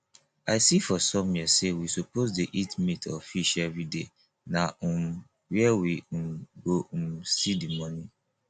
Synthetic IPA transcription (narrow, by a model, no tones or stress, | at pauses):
aɪsifɔsɔ̃mjisewisopozdeʔitmitʰɔfiʃɛvɹide | nam | wiɛwimɡoumsidimɔnĩ